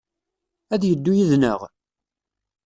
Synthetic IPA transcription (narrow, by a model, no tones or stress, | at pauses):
æðjəd̪ːujiðnəʁ